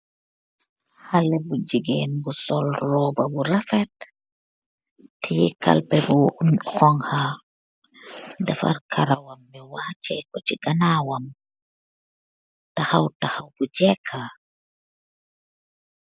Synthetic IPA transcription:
halɛbud͡ʒiɡɛnbusɔlrɔːbabuɾafɛt | tːijika̰lpɛbunhɔŋha | dafa̰ɾkʰaɾawambɛwat͡ʃɛkɔt͡ʃiɡanawam | tahawtahawbud͡ʒɛkʰa

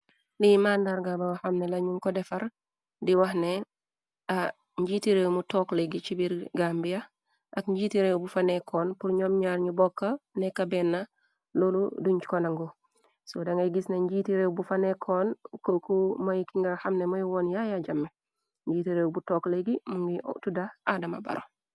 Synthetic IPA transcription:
limaːndaɾɡabawxɐmnelɐɲuŋkɔdɛfɐɾ | diwɐhne | a | ɲɟitiɾewmutɔːkleɡit͡ʃibiɾɡambijɐ | ʔɐkɲɟitiɾewbufɐnekʰɔːnpuɾɲɔmɲaːɾɲubɔkːɐnɛkɐbɛnːɐ | loːlṵduɲt͡ʃkonaŋɡu | sodɐŋɡɐjɡisneɲɟiːtiɾewbufɐnekʰɔːnkokumɐjkiŋɡaxɐmnemojwɔnjajaɟɐmːe | ɲɟiːtiɾewbutɔːkleɡimuŋɡḭtudaʔadɐmɐ̰bɐ̰ɾo̰

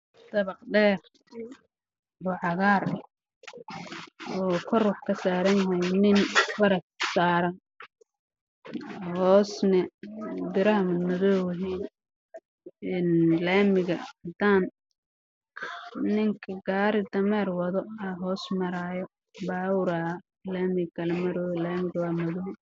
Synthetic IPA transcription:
d̪̥ɐβɐqɖɛːr | bʊʕɑɣaːr | ɔːkʰɔrʊħkʰɐsaːɾɐnjɐɦɛjnɪnfɐɾɐtsaːɾɐn | hɔːsnɛbɪɾɐɦɐmʊnɐðɔwɦiːn | nlaːmɪɣɐ̰d̪aːn | nɪŋkʰɐɡaːɾɪd̪ɐmɛːrwɐðɔɐɦɔːsmɐɾaːjɔ | baːʊɾaː | laːmɪɡɡɐlɐmɐɾɔlaːmɪɣɐwaːmɔðɔ

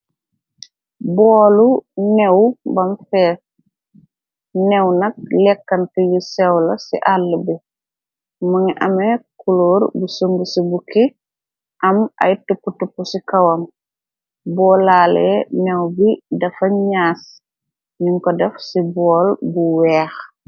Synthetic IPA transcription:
bɔːlunɛwbɐmfɛːs | nɛwnɐk̚lɛkːɐntijisɛwlɐsḭʔalːəbi | mɐŋiʔɐmekuloːɾbusuŋɡusibuki | ʔɐmɐ̰jtupːutupːusikɐwɐm | bɔːlaːlɛ̰nɛwbidɐfɐɲaːs | ɲiŋkɔdɐfsibɔːlbuwɛːx

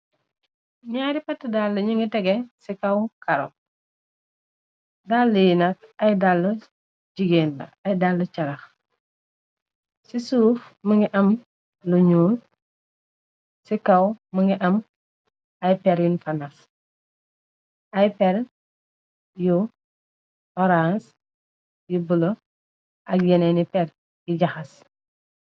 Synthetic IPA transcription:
ɲaːɾipɐtːədalːɐɲuŋɡitɛɡɛsikɐwkɐɾɔ̰ | dalːəjinɐk̚ɐjdalːə | ɟiɡeːnlɐ̰ɐjdalːɐt͡ʃɐɾɐx | sisuːfmɐŋɡiʔɐm | luɲuːl | sikɐwməŋiʔɐm | ɐjpɛɾjunfɐnas | ajpɛɾ | ju | oɾans | jubulo | ʔɐkjenenipɛɾ | iɟɐxɐs

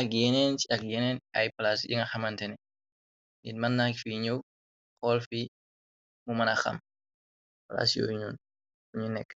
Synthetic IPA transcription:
ɐkjɛnɛnt͡ʃiɐk̚jɛnɛnɐ̰jplasjḭŋɐxɐmɐntɛnɛ | ŋitmɐnːakfiɲɐw | xɔːlfi | mumɐnɐxɐ̰m | pla̰sjo̰ːɲuːn | uɲunɛkː

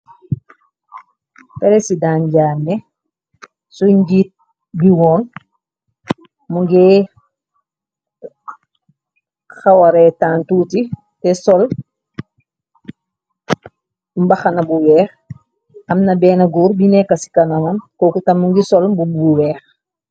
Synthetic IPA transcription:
pɛɾɛsidaːnɟaːnːɛ | suɲɟiːt̚ | biwɔːn | muŋɡɛ | xawɐɾɛtaːntuːti | tɛsɔl | mbɐxɐnɐbuwɛːx | ɐmnɐbɛːnɐɡuːɾbinɛkːɐsi̥kɐnɐmɐmkɔkutɐmmuŋɡisɔlmbubuwɛːx

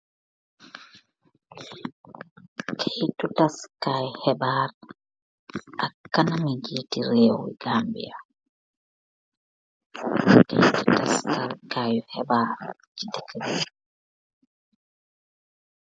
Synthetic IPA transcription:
kʰejtutaskaːjɔhɛbaːɾ | ʔakːanamiɡiːtiɾɛːw̰wḭɡ̥ambḭa | kḛjtu̥taskaɾkaːjɔhɛbaːɾ | d͡ʒitɛkʰebi

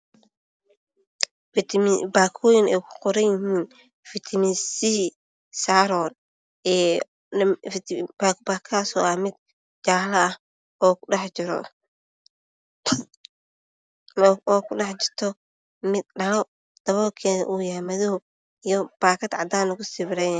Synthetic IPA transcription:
t̪ʰbaːkʰɔːjɪnɛjkʰʊ̥qɔɾɐjɪɦiːn | fɪt̪ʰɐmisi | saːɾɔːn | ɛː | ft̪ʰbakbaːkʰaːsɔːʔɐmɪd̪̚ | d͡ʒaːlɐɐh | ɔːkʊɖɑħt͡ʃɪɾɔ̰ | ɔːkʰʊɖɑħt͡ʃɪrt̪ʰɔ | mɪd̪ɖɐlɔ | d̪̥ɐβɔːkʰɛːðɐ̰ʔujaːmɐðɐɦʊ | ijɔb̥aːkʰɐd̪ʕɑd̪aːnlɐɣʊsɪβɪɾɛn

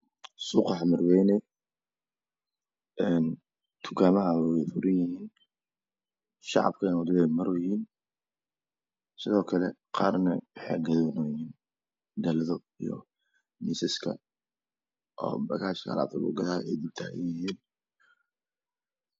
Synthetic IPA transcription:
suːqɑħmɐrwɛjnɛ | ʔɛn | t̪ʰʊ̥kʰaːmɐɦɐwwɛfʊɾɪnjɪhiːn | ʃɑ̰ʕɑ̰b̚kʰɐnɐd̪ɪβɛjmɐɾɔjhiːn | sɪðɔːkʰɐlɛ | qɑːrnɐwɑħɑ̰ːɡɐðɔːnɔjiːn | d̪ɐlɐðɔ | ḭjɔ̰ | misɛskʰɐ̰ | ʔɔ̰ːbɐɣaːʃkʰɐla̰b̪t̪ʰɐlʊ̰ɡɐðaːɛ̰jd̪ib̚t̪ʰaːɣɛ̰jɪhiːn

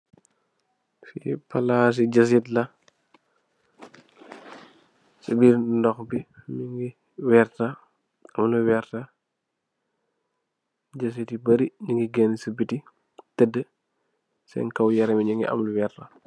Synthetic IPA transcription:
sḭpɐlaːs̬iɟɐs̬itlɐ | səbiːɾndɔxbimiŋɡi | wɛːrta | ɐmluwɛːrtɐ | ɟɐs̬itibɐɾiɲiŋɡiɡɛnsəbiti | tɛdːə | sɛ̰ŋkɐwjɐɾɛmiɲiŋɡḭɐ̰mluwɛːrtɐ

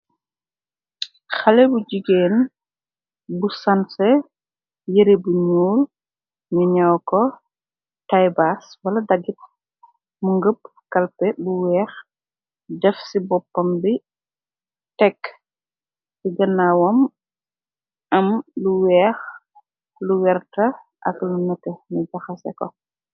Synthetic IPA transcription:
xɐlɛbuɟiɡeːn | busɐnsɛ | jiɾebuɲuːl | ɲuɲawkɔ | tajbaswɐlɐdɐɡit̚ | muŋɡəp | kɐlpɛbuwɛːx | dɛfsibɔpːɐmbi | tɛkː | siɡɐnːawɔm | ɐmluwɛːx | luwɛrtɐ | ʔɐ̰klunɐtɛɲuɟɐxɐsɛ̰kɔ̰

